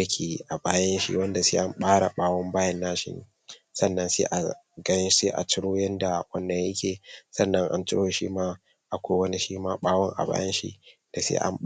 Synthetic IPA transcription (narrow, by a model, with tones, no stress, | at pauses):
a˨kʲʰeː˨ʔa˨baː˦jɐ˦nʃḭ˦wɐ˦nda˨seː˦ʔa˦mɓaː˦ɽa˨ɓaː˦wɔ˦mbaː˦jɐ˦nːaː˦ʃɪ̰˦nː˦ | sɐ˦˨nːɐ˦nsḛː˦ʔa˨ɡɐ˦seː˦ʔa̰˨t͡ʃɪ˦ɽoː˦jɐ˦nda˨wɐ˦nːɐ˨jjɐ˦kʲeː˨sɐ˦nːɐ˦ŋʔa̰˦nt͡ʃɪ˦oː˨˦ʃḭ˦maː˦ | ʔa˨kʷa˦wɐ˦ni˦ʃiː˦maː˦ɓaː˦wɔ˦ŋʔa̰˨ba̰ː˦jɐ˦nʃḭ˦d̥a˨sḛː˦ʔa̰˦m